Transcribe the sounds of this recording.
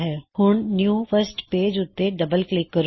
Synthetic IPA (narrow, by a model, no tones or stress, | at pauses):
ɦɛːhʊɳnjuːpʰəɾsʈpeːd͡ʒʊt̪ːeɖəbəlklɪkːəɾ